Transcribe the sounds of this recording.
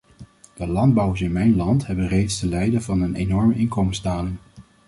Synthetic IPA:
d̥əlɑnd̚bɑwəɹsɪnmɛjnlɑntɦɛbənrejtstəlɛjdəvɑnənenɔɹməʔɪnkomənszdaːlɪŋ

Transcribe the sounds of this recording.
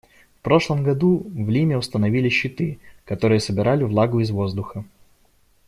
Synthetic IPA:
fpɾo̞ʂlˠəmɡɐd̪uvlʲimʲɪʊst̪ənɐvʲilʲɪɕːɪt̪ɨkɐt̪o̞ɾɨjəsəbʲɪɾʔalʲɪvlˠaɡʊɪzvo̞zd̪ʊxə

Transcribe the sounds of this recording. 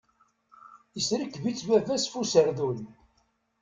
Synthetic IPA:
əsɾəkːvit͡sːvævæsfusəɾðul

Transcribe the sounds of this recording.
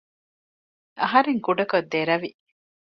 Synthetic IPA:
ɐɦɐɾeŋkuɖɐkod̪ːeɾɐʋi

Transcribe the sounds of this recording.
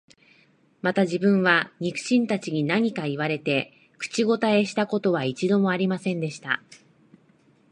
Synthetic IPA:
mat̪aʑibɯ̟̃ɰ̃βaɲ̟ikɯ̟̥ɕĩnt̪at͡ɕiɲ̟inaɲ̟ikaiβaɾe̞t̪e̞ | kɯ̥t͡ɕiɡo̞t̪ae̞ɕi̥t̪ako̞t̪o̞βait͡ɕid̪o̞mo̞aɾʲimasẽ̞nd̪e̞ɕi̥t̪a̰

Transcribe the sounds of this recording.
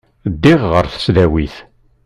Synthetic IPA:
d̪ːiʁːəɾθə̥sðæwiθ

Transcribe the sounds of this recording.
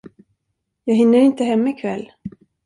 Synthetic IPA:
jɑːɡɦɪnːəɾɪnt̪əɦɛmːaɪkʰvɛlː

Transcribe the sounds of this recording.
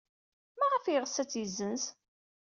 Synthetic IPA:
mæʁəfiʁsæt͡sːjəzːəns

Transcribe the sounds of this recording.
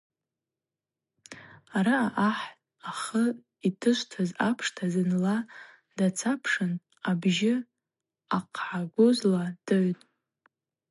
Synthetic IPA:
aɾaaʔaħ | aχə | itʰɨʃʷtʰazapʰʂtʰazɨnla | d̥at͡sʰapʰʂɨn | abʒɪ | aqʰħaɡʷʊzlad̥ɨʕtʼ

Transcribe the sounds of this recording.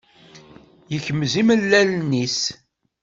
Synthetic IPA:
jəçəmziməlːælnis

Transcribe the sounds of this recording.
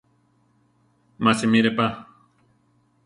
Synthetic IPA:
masimiɾepa

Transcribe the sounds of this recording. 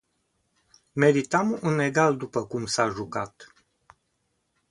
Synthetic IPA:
me̞ɾit̪amunːe̞ɡald̪upəkumsaʒukat̪

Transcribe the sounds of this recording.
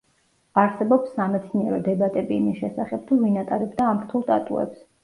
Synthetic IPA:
aɾsɛbɔpsːamɛt̪sʰniɛɾɔd̪ɛbat̪ʼɛbiimisʃɛsaχɛb̚t̪ʰuvinat̪ʼaɾɛbd̪aːmɾt̪ʰulˠt̪ʼat̪ʼṵɛ̰ps

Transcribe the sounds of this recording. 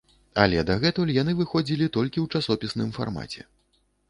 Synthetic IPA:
alʲɛd̪aɣɛt̪ulʲjanɨvɨxɔd͡zʲilʲit̪ɔlʲkʲiwt͡ʂasɔpʲisnɨmfa̰rma̰t͡sʲɛ̰

